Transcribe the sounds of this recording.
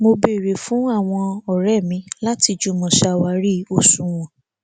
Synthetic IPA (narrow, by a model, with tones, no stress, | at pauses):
mo˧be˦˨ɾe˨fũ˨˦a˦˨w̃ɔ̃˧ɔ˨ɾɛ˦˨mĩ˧˦la˦ti˧d͡ʒu˦mɔ̃˧˨ʃa˧˨wa˧ɾi˦o˦˨sũ˨˧w̃ɔ̃˨